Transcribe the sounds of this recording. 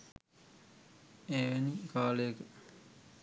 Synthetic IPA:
eːʋenikaːleːkə

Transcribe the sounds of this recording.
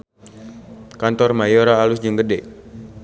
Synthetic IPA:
kant̪ɔrmajoɾaːlʊsd͡ʒuŋɡədɛʔ

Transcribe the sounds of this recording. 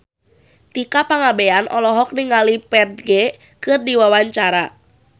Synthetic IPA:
t̪ikapaŋabɛanʔɔlɔɦɔk̚niŋalipɛrɡɛ | kɨrdiwawaɲt͡ʃaɾa

